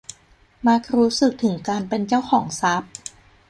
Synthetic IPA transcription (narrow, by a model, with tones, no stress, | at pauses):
ma˦˥k̚ɾuː˦˥sɯ˨˩k̚t̪ʰɯ˩˦ŋkaː˧npe˧nt͡ɕa˥˩wkʰɔː˩˦ŋsa˦˥p̚